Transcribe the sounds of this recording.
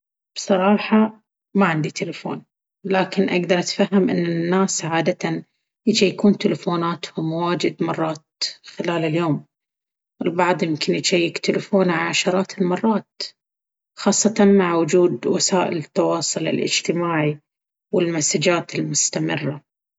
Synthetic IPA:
b̥sˤɑɾˤɑːħɑ | maʕɪnd̪it̪ɪlafo̰ːn | laːkɪnʔaɡd̪ɑɾˤʔat̪faɦːɪmʔɪ̰nːɪnːaːsʕaːd̪at̪an | jɪd͡ʒajːkuːnt̪ɪlafoːnaːt̪hʊmwaːd͡ʒɪd̪mɑrˤːɑːt̪xɪlaːlɪljoːm | ɪlbɑʕd̪ˤjɪmkɪnjɪt͡ʃajːɪkt̪ɪlɪfoːnʕaʕaʃɑɾˤɑːt̪ɪlmɑrˤːɑːt̪̚ | xɑːsˤːɑt̪ɑnmaʕawʊd͡ʒuːd̪wasaːʔɪlɪt̪ːɑwɑːsˤʊlɪ̰lʔɪ̰d͡ʒt̪ɪmaːʕi | wɪlmasad͡ʒaːt̪ɪlmʊst̪amɪ̰rːa

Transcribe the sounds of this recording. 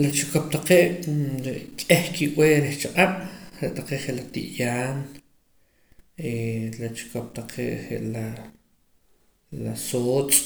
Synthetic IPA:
lat͡ʃukop̚t̪aqeːʔɾeʔkʼeχkiʔweːɾeχt͡ʃaqʼaɓ̥ɾeʔt̪aqeːχeʔlat̪ḭʔjaːn | elat͡ʃu̥kop̚t̪aqʰḛːʔɾeʔla | lasoːt͡sʼ

